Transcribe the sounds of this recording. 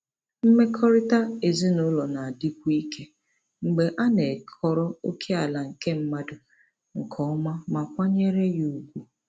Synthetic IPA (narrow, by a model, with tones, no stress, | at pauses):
m̩˦me˦kʰɔ˦ɾɪ˦ta˦e˨zi˦nʊ˦lɔ˨na˨a˨di˦k̚u˦i˦kʰe˦ | ŋ͡m̩˨ɡ͡be˨ʔa˦ne˨kʰɔ˦ɾɔ˦o˦kʰe˦a˨la˨ŋ̩˨ke˦m̩˦ma˦dʊ˨ | ŋ̩˨kʰɔ˦ɔ˦ma˦ma˨kʷa˦ɲe˦ɾe˦ju˨u˨kʷu˦